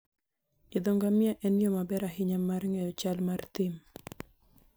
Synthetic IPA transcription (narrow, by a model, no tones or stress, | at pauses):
ɪd̪ɔŋɡamjaʔɛnjomabɛɾaɦɪɲamarŋɛjɔt͡ʃalmart̪ɪm